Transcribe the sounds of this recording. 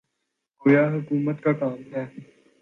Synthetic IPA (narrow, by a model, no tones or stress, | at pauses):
kojaːɦʊkuːmət̪kakaːmɦɛː